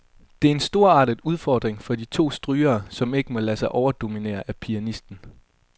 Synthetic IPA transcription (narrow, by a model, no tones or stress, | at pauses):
d̥e̝æɐe̝nsd̥o̝ɐɑ̰̈ːd̥iðˠuð̞ˠfɒ̰ːd̥ʁeŋfɒ̽d̥it͡sʰo̝̰ːsd̥ʁyːɐːsɒ̽me̝ɡ̥əmɒ̽læsɑ̈ɪʔɒʊɐd̥o̝mine̝̰ːɐʔæpʰiænisd̥n̩